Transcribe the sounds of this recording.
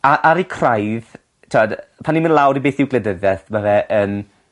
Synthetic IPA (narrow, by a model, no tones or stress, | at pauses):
aʔaɾikʰrajð | tʰɔdpʰanːimənlˠawɾibeːθɪwɡlədəðɛθmavɛʔən